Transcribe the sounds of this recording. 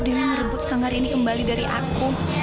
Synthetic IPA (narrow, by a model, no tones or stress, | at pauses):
diwanərəbʊt̪̚saŋaɾinikəmbalidaɾiʔa̰ku